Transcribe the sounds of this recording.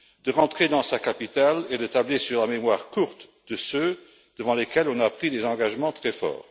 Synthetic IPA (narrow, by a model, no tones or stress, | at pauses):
d̪əʁɑ̃t̪χed̪ɑ̃sakapit̪aled̪ət̪ablesyʁlamemwaʁkuʁt̪ | d̪əsø | d̪̥əvɑ̃lekɛlɔ̃napχid̪ezɑ̃ɡaʒmɑ̃t̪χɛfɔ̰ːʁ